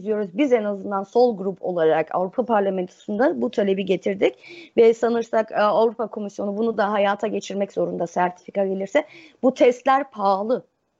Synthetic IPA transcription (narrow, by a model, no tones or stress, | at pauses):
zijo̞ɾuzbizenazɯnd̪anso̞lˠɡɾupʰo̞̰lˠaɾakʰa̰vɾupʰapʰaɾlʲamɛnt̪ʰo̥sund̪abut̪ʰalʲe̞biɟe̞t̪ʰiɾd̪icvɛsanɯɾsakavɾupʰakʰo̞misjo̞nubunud̪aɦajaːt̪ʰaɟe̞t͡ʃʰiɾmɛczo̞ɾund̪asæɾt̪ʰi̥fikaɟe̞lʲiɾsɛ | but̪ʰɛst̪lʲæɾpʰaːlˠɯ